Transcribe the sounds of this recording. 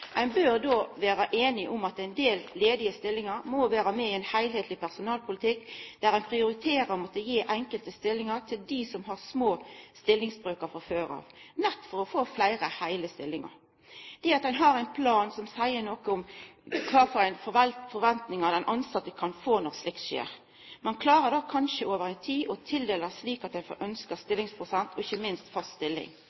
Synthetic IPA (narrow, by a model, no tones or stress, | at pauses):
ʔæɪnbøɾd̪oːʋæːɾəʔeːnɪʔʊmɑt̪æɪnd̪eːlleːd̪ɪəst̪ɪlːɪŋɑɾmɔʋæːɾəmɛɪɛnhæɪlheːt̪ʰlɪpʰæʁsʊnɑːlpʰʊlɪt̪ʰɪkːd̪̥æɾæɪnpʰɾɪʊɾɪt̪ʰeːɾəɾɔmɔt̪ːəjiːʔɛŋkəlt̪əst̪ɪlːɪŋəʁt̪ʰɪld̪isɔmɦɑʁsmoːst̪ɪlːɪŋsbɾøːkəfɔføːɾɑ̰ːʋnɛt̪ːfɔɾɔfoːflæɪɾəhæɪləst̪ɪlːɪŋə̰ɾ | d̪̥ɛɑt̪̚d̪ɛnɦɑɾæɪnpʰlɑːnsɔmsæɪənɔkəɔmkʰɑːfɔɾæɪnfɔʋɛlt̪fɔɾʋɛnt̪nɪŋɑd̪ɛnʔɑnsɑt̪ːəkʰɑnfoːnɔɾslɪkt̪ʃḛːɾ | mɑnkʰlɑːɾəd̪ɑːkʰɑnʃəoːʋəɾæɪnt̪ʰiːʔɔt̪ʰɪld̪eːləsliːkɑt̪̚d̪ɛnfɔ̰ɾʔœnskəst̪ɪlːɪŋspʰɾʊsɛnt̪ʰɔɪçəmɪnst̪fɑst̪st̪ɪlːɪ̰ŋ